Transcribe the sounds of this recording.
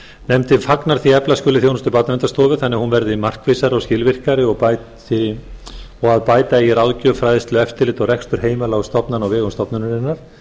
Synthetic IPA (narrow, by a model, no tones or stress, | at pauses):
nɛmt̪ɪnfaknaɾ̥θiɛplaskʏːlɪθjownʏst̪ʏpaɾt̪namɛnt̪ast̪ɔːvʏθanːɪhunvɛɾðɪmar̥kveːsaɾɪawscɪlvɪr̥kaɾɪɔɣpaj | θi | ɔɣaðpaːjt̪aɛjɛɾaːwðcœfɾajðɪst̪lʏɛft̪ɪɾlɪːt̪ɔɣrɛkst̪ʏɾ̥heːjmalaːɣst̪ɔpnanawvɛːɣʏnst̪ɔpnʏnɾɪnːaɾ̥